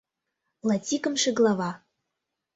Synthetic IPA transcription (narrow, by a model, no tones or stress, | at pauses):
lˠɑtʲikɤ̆mʃĕɡlˠɑvɑ